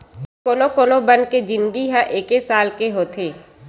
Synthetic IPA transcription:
koːnokoːnobənked͡ʒɪ̃nɡiɦãʔeːkesaːlkeɦoːt̪ʰeː

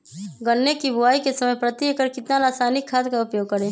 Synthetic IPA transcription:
ɡənːekibʱʊaːikesəməjpɾət̪jikəɾkɪt̪nalaːsaːnɪkʰːaːt̪kaʊpjoːɡ̚kəɾẽː

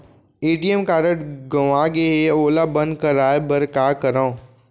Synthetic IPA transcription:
eːɖijəmkaːɾəʈɡɐʋãɡeɦeoːlabɐ̃nd̪kəɾaːebɐɾkaːkəɾaõ

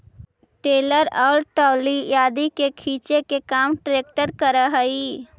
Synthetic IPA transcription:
ʈeːləɾɔːlʈɔːlijaːd̪ikekʰiːt͡ʃekekaːmʈɾeːk̚ʈəɾkəɾaɦəi

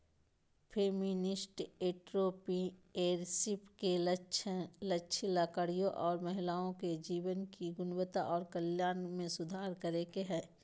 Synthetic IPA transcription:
pʰeːmɪnɪsʈeːʈɾoːpieːɾsɪpke | lɐkːʃʰlaːkaɽijõʔɔːɾmɐɦɪlaːõked͡ʒiːʋənkiɡʊnwət̪aʔɔːɾkəljaːnmẽsʊd̪ʱaːɾkəɾekeɦɛ̃ː

